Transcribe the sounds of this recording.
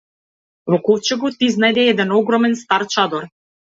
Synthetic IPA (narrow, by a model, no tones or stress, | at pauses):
vɔkɔlt͡ʃɛɡɔt̪iznajd̪ɛɛd̪ɛnɔɡɾɔmɛnst̪aɾt͡ʃad̪ɔɾ